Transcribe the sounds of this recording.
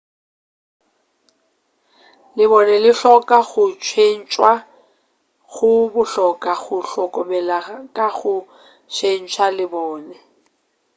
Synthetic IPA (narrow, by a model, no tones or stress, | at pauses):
lɪβɔnɛlɪɬɔkʼaɣʊt͡ʃʰwen̩t͡ʃʼwa | ɣʊbʊɬɔkʼaɣʊɬɔkʼɔmɛlakʼaɣʊ | t͡ʃʰen̩t͡ʃʰwalɪbɔːnɛ